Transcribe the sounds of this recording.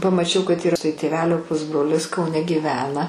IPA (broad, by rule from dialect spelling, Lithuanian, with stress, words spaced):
pɐmɐˈt͡ʃʲɛʊ kɐt ˈiːrɐ tɐɪ tʲeːˈʋʲæːlʲoː ˈpʊzbroːlʲɪs kɐʊˈnʲɛ ɡʲiːˈʋʲæːnɐ